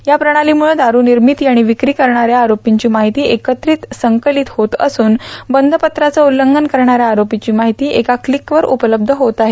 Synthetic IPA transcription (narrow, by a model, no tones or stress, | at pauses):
japɾəɽ̃aliːmuɭəd̪aɾuːniɾmit̪jaɽ̃iʋikɾiːkəɾɳ̃aɾjaːɾopiɲt͡ɕiːmaɦit̪iːekət̪ɾiːt̪səŋkəlit̪hot̪ə̰suːnbənd̪ʱəpət̪ɾat͡səulːəŋɡənkəɾɳ̃aɾjaːɾopit͡ɕiːmaɦit̪iːʔekaklikʋəɾʔupələb̚d̪ʱəɦot̪aɦe